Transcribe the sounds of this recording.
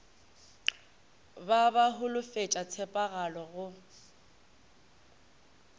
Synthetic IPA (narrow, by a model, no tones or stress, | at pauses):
babaɦʊlʊfet͡ʃʼat͡sʰɛpʼaɣalɔɣʊ